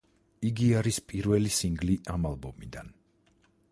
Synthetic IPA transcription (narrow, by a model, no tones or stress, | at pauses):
iɡiaɾispʼiɾvɛlisiŋɡliʔamalˠbɔmid̪an